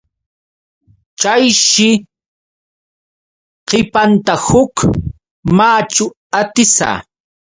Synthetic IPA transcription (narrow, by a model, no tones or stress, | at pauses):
t͡ʃajʃɪ | qɪpant̪ahʊk | maːt͡ʃʊ | at̪ɪsa̰ː